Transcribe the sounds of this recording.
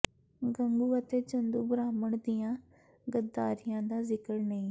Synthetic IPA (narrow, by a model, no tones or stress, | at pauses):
ɡə̃ŋɡuːət̪eːt͡ʃə̃nd̪uːbəɾaːməɳd̪ɪjãː | ɡəd̪aːɾɪjãːd̪aːzɪkəɾnəĩː